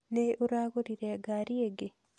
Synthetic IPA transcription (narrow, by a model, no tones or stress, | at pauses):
neoɾaɡoɾiɾɛaɡaɾieɡɪ